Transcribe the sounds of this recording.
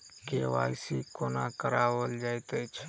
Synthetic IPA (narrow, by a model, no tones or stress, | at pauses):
keʋa̰isikonakəɾaʋəld͡ʒajt̪ət͡ʃʰ